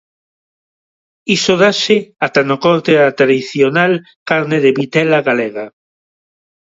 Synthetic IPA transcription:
isoðaseat̪anokoɾt̪eat̪ɾaðiθjonal | kaɾneðeβit̪ɛlaɣaleɣa

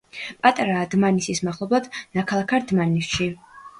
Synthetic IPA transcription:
pʼat̪ʼaɾaːd̪manisismaχlˠɔblˠad̪nakʰalˠakʰaɾd̪manisʃi

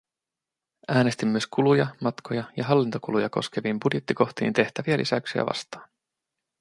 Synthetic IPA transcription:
ʔæːnest̪imːyøskulujɑmɑt̪kʰo̞jɑjɑɦɑlːint̪o̞kulujɑko̞̰sk̟e̞ʋimbudje̞t̪ːiko̞xt̪ḭːnt̪e̞ht̪æʋiælʔḭsæksiæ̰ʋɑ̰st̪ɑ̥ːn

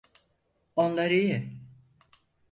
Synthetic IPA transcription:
o̞nlˠaɾijɪ

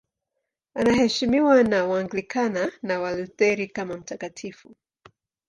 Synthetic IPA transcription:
anahɛʃimiwanawaŋɡlikʰananawalutɛɾikamam̩takatʰifu

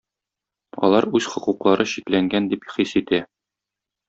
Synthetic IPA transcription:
ɒ̰lˠɑɾʉzχŏquqlˠɑɾʔɤɕiklæŋɡænd̪ipχisit̪æ

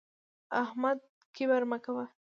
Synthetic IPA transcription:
ahmad̪̚ | kebaɾmakawa

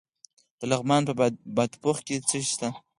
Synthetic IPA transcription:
d̪̥əlaɣmɑnpəbad̪poxket͡səʃt̪a

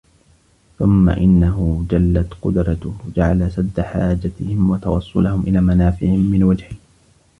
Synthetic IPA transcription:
θʊmːa̰ʔɪnːaɦʊd͡ʒalːat̪qʊd̪ɾˤɑt̪hd͡ʒaʕalasad̪ːaħaːd͡ʒat̪ɪhɪmwɑt̪ɑwɑsˤːʊ̰lahʊmʔɪlaːmanaːfɪʕɪhɪmːɪnwad͡ʒhɪh

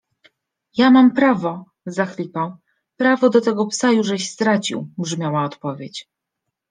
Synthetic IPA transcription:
jamampɾavɔ | zaxlʲipaw | pɾavɔd̪ɔt̪ɛɡɔpsajuʐɛɕst̪ɾat͡ɕḭwbʐmʲjawaɔt̪pɔvʲjet͡ɕ

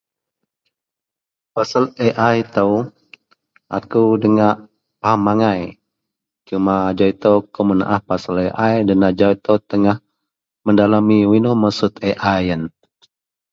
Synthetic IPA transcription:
pasəleʔajt̪əw | ʔa̰kudəŋaʔ | pahamaŋaj | t͡ʃumaːd͡ʒait̪əwkəməna̰ʔahpasəleʔajdanad͡ʒait̪əwt̪əŋah | məndalamiwinoməsut̪eʔajən

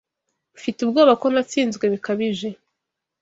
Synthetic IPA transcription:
βufitubɡoːβako̞nat͡siːnzɡwe̞βikaβiʒe̞

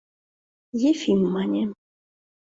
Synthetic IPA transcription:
jefʲimːanʲe

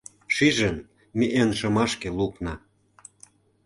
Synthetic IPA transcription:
ʃiʒə̆n | miʔenʃɤ̆mɑʃkĕluknɑ

